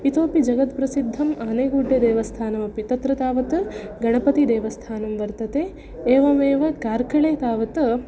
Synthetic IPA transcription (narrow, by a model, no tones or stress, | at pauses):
it̪oːpid͡ʒɐɡɐt̪pɾɐsid̪ʱːɐmʔaːneːɡuːɖʱːed̪eːʋɐst̪ʰaːnɐmɐpit̪ɐt̪ɾɐt̪aːʋɐt̪ɐɡɐɳɐpɐt̪id̪eːʋɐst̪ʰaːnɐmʋɐɾt̪ɐt̪e | eːʋɐmeːʋɐkaːɾkɐɭeːt̪aːʋɐt̪ɐ